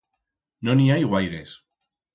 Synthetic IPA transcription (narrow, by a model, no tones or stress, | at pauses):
noniajɣwajðes